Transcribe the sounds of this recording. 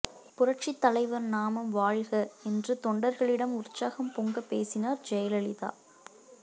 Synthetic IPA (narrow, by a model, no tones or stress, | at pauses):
pʊrɐʈ̚t͡ʃit̪ːɐlɐɪʋɐɾnaːmɐmʋaːɭɣɐɛndrɯt̪ɔɳɖɐɾɣɐɭɪɽɐmʊɾʊt͡ʃːaːɣɐmpɔŋɡɐpːeːsɪnaːɾd͡ʒɛjɐlɐɭɪða̰ː